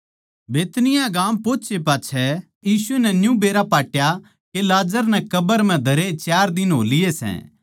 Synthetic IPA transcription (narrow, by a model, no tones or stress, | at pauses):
beːt̪nɪjãɡaːmpoːt͡ʃepaːt͡ʃʰɛ | jiːsuenɛ̃njũbeːɾapaːʈja | kelaːd͡ʒəɾnɛ̃kɐbəɾm̤ɛ̃d̪ʱɐɾet͡ʃjaːɾd̪ɪnɦo̰ːlɪjesɛ̰̃ː